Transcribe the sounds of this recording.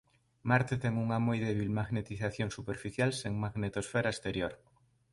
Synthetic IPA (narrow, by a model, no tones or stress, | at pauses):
maɾt̪et̪eŋuŋamojðeβ̞ilmaɣnet̪iθaθjoŋsupeɾfiθjalseŋmaɣnet̪osfeɾaest̪eɾjoɾ